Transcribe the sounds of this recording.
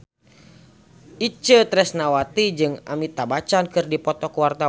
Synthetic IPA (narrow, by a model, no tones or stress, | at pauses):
it͡ʃət̪ɾɛsnawat̪id͡ʒɨŋa̰mit̪abat͡ʃankɨrdipɔt̪ɔkuwart̪a